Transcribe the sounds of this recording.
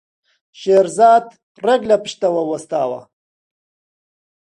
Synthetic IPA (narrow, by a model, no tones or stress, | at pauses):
ʃeːɾzɑːd̪ | rɐɡlapɪ̥ʃt̪ɐwɐwɐst̪aːwɐ̰